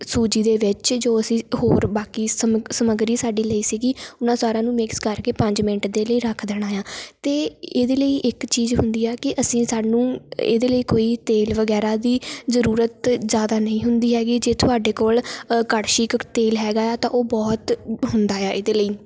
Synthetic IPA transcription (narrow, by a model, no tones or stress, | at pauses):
suːd͡ʒiːd̪eːʋɪt͡ʃd͡ʒoːəsĩːɦoːɾbaːkiːssəməɡɾiːsaːɖiːləiːsiːɡiːʊnãːsaːɾãːnũːmɪkskəɾkeːpə̃ɲd͡ʒmɪnəʈd̪eːləiːɾəkʰd̪əɽ̃aːjãːt̪eːeːd̪eːləiːʔɪkt͡ʃiːzɦʊ̰nd̪iːɛːkɪʔəsĩːsaːnũːḛːd̪eːləiːkoːiːt̪eːlʋəɡɛːɾaːd̪iːzəɾuːɾət̪zjaːd̪aːnəĩːɦʊnd̪iːɦɛːɡiːd͡ʒeːt̪ʰʊaːɖeːkoːlkəɽʃiːkt̪eːlɦɛːɡaːjaːt̪ãːʔoːbɔːt̪ɦʊnd̪aːjaːʔeːd̪eːləiː